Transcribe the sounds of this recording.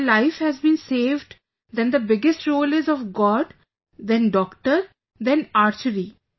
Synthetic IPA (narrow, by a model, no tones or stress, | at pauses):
laɪfhɛzbĩːnseːʋɖ | d̪ɛ̃nd̪əbɪɡɪsʈɾoːlɪzɔʋɡɔːɖ | d̪ɛ̃nɖɔːkʈəɾ | d̪ɛ̃naːɾt͡ʃəɾi